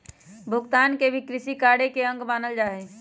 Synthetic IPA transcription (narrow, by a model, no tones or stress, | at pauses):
bʱʊɡt̪aːnkebʱikɾɪʃikaːɽekeə̃ŋɡbaːnəld͡ʒaːɦɛ